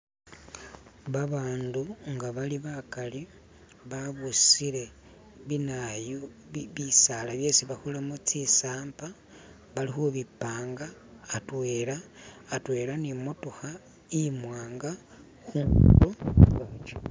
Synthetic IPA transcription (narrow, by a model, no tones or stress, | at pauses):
βaβaːnduŋɡaβaliβakali | βaβusile̞ | βinajo | βisalaβje̞ːsiβaxulamut͡sisaːmpa | βalixuβipaːŋɡaːtweːɾaːtwe̞ːlanimutuxa | imwaːŋɡa | xuŋɡuɾot͡ʃa